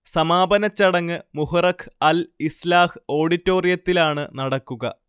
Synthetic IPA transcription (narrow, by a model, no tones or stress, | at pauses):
sɐmaːbɐnɐt͡ɕːɐɽɐŋːɨmuhɐrɐkʰɐlislaːhɨo̞ːɽitːo̞ːrijɐt̪ːilaːɳɨnɐɽɐkːuɣɐ̰